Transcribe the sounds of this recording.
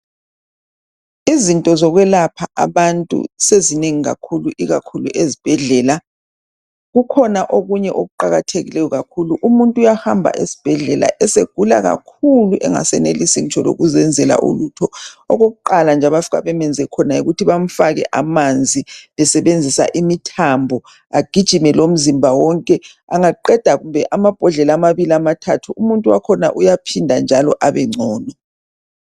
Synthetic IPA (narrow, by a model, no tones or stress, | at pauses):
izintʼɔzɔɣwɛlapʰaʔaβantʼṵsezineŋiɣa̰kʰuluʔiɣakʰulṵʔezib̥ʱɛɮɛːla | ɣukʰɔnaʔoɣuɲɛʔoɣuǃaɣatʰeɣilɛjɔɣakʰuluʔumuntʼujahambʱa̰ʔesi̥b̥ʱɛɮɛla̰ʔɛseɡ̥ʱula̰ɣa̰kʰuluʔɛŋa̰sɛnelisin̩t͡ʃʰʼɔlo̰ɣuzɛnd͡zʱɛla̰ʔṵlutʰɔɔɣoɣuǃaland͡ʒʱaβafiɣa̰βɛmɛnd͡zʱɛkʰɔnajiɣutʰiβam̩faɣɛ̰ʔamand͡zʱiβɛsɛβend͡zʱisa̰ʔimitʰambʱɔ | aɡ̥ʱid̥ʒ̥ʱimɛlom̩zimbʱawɔŋkʼɛ | aŋaǃɛd̥ʱaɣumbʱɛʔamab̥ʱɔɮɛlamaβiliamatʰatʰuumuntʼuwa̰kʰɔna̰ʔujapʰindʱand͡ʒʱalɔʔaβɛŋ͡ǀʱɔːna